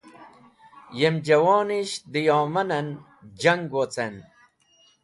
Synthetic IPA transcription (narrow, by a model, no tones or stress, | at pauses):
jemd͡ʑɐwɑːniɕd̪ijaːmɐnɐn | d͡ʑɐŋɡwot͡sen